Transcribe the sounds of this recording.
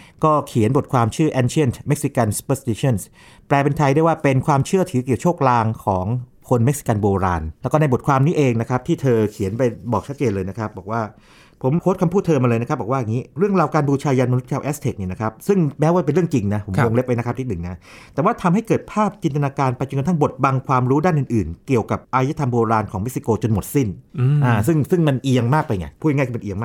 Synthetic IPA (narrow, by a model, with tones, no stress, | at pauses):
kɔː˥˩kʰi˨˩˦nbo˨˩t̪̚kʰwaː˧mt͡ɕʰɯː˥˩ʔɛː˧nt͡ɕʰi˥˩˨nt̪me˦˥k̚si˧ka˧nsu̥˧pə˧˩st̪i˧t͡ɕʰɔ˥˩ns | plɛː˧pe˧nt̪ʰa˧jda˥˩jwaː˥˩pe˧nkʰwaː˧mt͡ɕʰɯ˥˩ɐt̪ʰɯː˩˦ki˨˩wt͡ɕʰoː˥˩k̚laː˧ŋkʰɔː˩˦ŋ | kʰo˧nme˦˥k̚si̥˧ka˧nboː˧ɾa̰ː˧nlɛː˦˥kɔː˥˩na˧jbo˨˩t̪̚kʰwaː˧mniː˦˥ʔeː˧ŋna˦˥kʰa˦˥p̚t̪ʰiː˥˩t̪ʰɤː˧kʰi˨˩˦ənpa˧jbɔː˨˩k̚t͡ɕʰa˦˥t̪̚t͡ɕeː˧nlɤː˧jna˦˥kʰɾa˦˥p̚bɔː˨˩k̚waː˥˩ | pʰo˩˦mkʰoː˦˥t̪̚kʰa˧mpʰuː˥˩t̪ʰːɤː˧ma˧ɤː˧na˥kʰa˦˥bɔː˨˩waː˥˩a˨˩ŋiː˦˥ɾɯ˥˩əŋɾaː˧wkaː˧nbuː˧t͡ɕʰaː˧jaː˧nma˧nu˦˥t̪̚kʰaː˧wʔɛː˦˥st̪ʰe˨˩k̚ni˥˩na˦kʰa˦˥p̚sɯ˥˩ŋmɛ˦˥waː˥˩pe˧nɾɯ˥˩əŋt͡ɕi˧ŋna˦˥pʰo˩˦mwo˧ŋle˦˥p̚wa˧jna˦˥a˦˥pt̪ʰi˥nɯ˨˩na˦˥t̪ɛː˨˩waː˥˩t̪ʰa˧mɦa˥˩jkɤː˨˩t̪̚pʰaː˥˩p̚t͡ɕi˧nt̪a˧naː˧kaː˧npa˧jt͡ɕo˧knt̪ʰa˥˩ŋbo˨˩t̪̚ba˧ŋkʰwaː˧mɾuː˦˥daː˥˩nʔɯ˨˧˩nʔɯː˨˩nki˨˩əwka˨˩p̚ʔaː˧jaː˦˥t̪ʰa˧mboː˧ɾaː˧nkʰɔː˩˦me˦˥k̚si˧koː˧t͡ɕo˧nmo˨˩t̪̚si˥˩nʔaː˧˩sɯ˥˩ŋsɯ˥˩ŋma˧nʔi˧əŋmaː˥˩k̚pa˧jɲi˧˩pʰuː˥˩˧ŋa˥˩kʰi˥˩m˧nʔi˧əŋmaː˥